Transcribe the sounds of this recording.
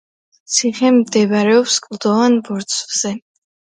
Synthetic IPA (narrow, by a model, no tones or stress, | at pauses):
t̪sʰiχɛmd̪ɛvɾɛɔpskʼlˠd̪ɔvanbɔɾt̪sʰvz̥ɛ